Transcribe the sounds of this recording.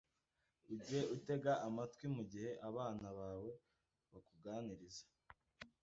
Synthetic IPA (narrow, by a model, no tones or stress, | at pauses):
uɟieʔute̞ɡaʔːmatkwimuɟihe̞ʔaβaːnaβaːwe̞ | βakuɡaːniɾizḁ